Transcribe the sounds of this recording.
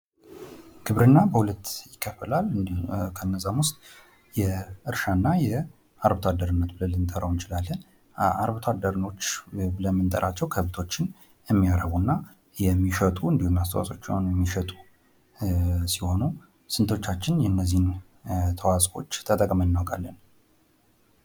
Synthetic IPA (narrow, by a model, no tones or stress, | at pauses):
ɡʰɨβɾɨnːabəhulət̪ːjɪkʰːəfːəlalɨkʰənːəzamwʊst̪ʼ | jɛʔɨɾʃanːajɛ | aɾβot̪ʰad̪ːəɾɨnːət̪bɨləlːɨnt̪ʼəɾəwnt͡ʃɪlalːɨn | a̰ɾβt̪ʰad̪ːəɾɨno̞t͡ʃːbɨləmːɨnt̪ʼə̰ɾʔat͡ʃːɛwkʰəβt̪ʰo̞t͡ʃːɪn | jɛmːijaɾəβunːa | jɛmːiʃət̪ʼuɨnd̪ihumast̪ʰəwa̰sʼo̞̰t͡ʃːɛ̰wnjɛmːiʃət̪ʼu̥ | siho̞nu | sɨnt̪ʰo̞t͡ʃːat͡ʃːɪnjɛnːəzːihn | t̪ʰəwasʼfo̞̰t͡ʃːt̪ʰət̪ʼəkʼmənːawkʼalːən